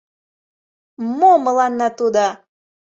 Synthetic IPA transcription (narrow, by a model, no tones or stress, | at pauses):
moməlɑnːɑt̪ud̪ɑ